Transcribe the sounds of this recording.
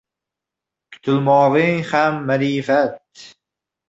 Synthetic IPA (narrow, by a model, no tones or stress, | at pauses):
kʰʊ̥t̪ʰʊlmɒːʁɨŋhamːaɾifat̪̚